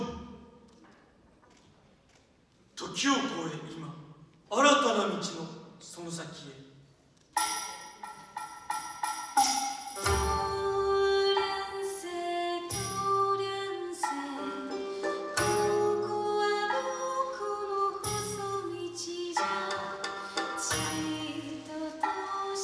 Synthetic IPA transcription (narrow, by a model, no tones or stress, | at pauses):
t̪okʲiokoeima | aɾat̪anamʲit͡ɕinosonos̬akʲie | t̪o | ɾanset̪ʰoɾanse | kʰokoamokʰoɾohosomit͡ɕiza | t͡ɕiɾ | t̪ot̪o